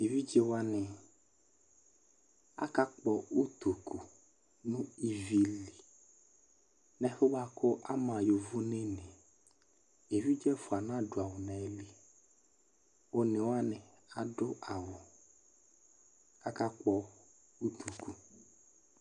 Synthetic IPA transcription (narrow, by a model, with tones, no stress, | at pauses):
e˨vi˦d͡ʒe˦wa˦nɪ˨ | a̰˦ka˦k͡pɔ˨u˦t̪u˨ku˨ | nũ˦i˦vi˦li˨ | nɛ̃˨˦ɸo˦ba˦kʰʊ˦ʔa˦mã˨jo˨vu˦ne˦ne˨ | e˨vi˦d͡ʒɛ˦fʊ˨a˨nã˦dʊ˨a˨wʊ˨nɛ˨˦li˦ | wo˦ne˨wa˦nɪ˨ | a˨dʊ˦a˨wʊ˨ | ka˦ka˦k͡pɔ˨ | u˦t̪u˨ku˨